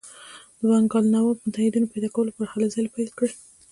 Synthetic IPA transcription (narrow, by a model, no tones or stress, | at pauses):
d̪̥waŋɡɑlnawɑpəmʊt̪ahɪd̪inopajd̪ɑkawəlopxalazɑjpajlkɽə